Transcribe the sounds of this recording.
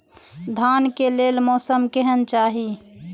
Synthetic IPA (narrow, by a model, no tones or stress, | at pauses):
d̪ʱaːnkeleːlmɔːsəmkɛɦənt͡ʃaːɦi